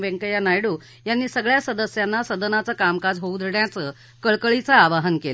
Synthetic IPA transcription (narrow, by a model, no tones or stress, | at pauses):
ʋeŋkəjanajɽuː | janːiːsəɡɭjasəd̪əsjanːasəd̪ənat͡səkamkad͡zɦoud̪ʱɽjat͡sə | kəɭkəɭit͡saːʋaɦənke